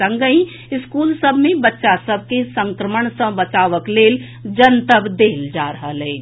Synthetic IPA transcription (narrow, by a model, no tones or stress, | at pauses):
ə̃ŋɡəĩ | ɪskuːlsəbʱmẽbətːʃasəb̚ʱkesə̃ŋkɾəməɳsə̃bətt͡ʃaːʋəkleːl | d͡ʒənt̪əbd̪eːld͡ʒaɾəɦəlɛː